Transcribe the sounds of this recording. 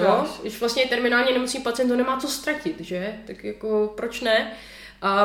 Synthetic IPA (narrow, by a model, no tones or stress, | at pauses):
joɡdɪʃvlast̪ɲɛt̪ɛɾmɪnaːlɲɛnɛmot͡snɲiːpatt͡sɪjɛnt̪onɛmaːt͡so̞st̪ɾacɪt̪ʒɛt̪akjakopɾot͡ʃnɛ | ʔa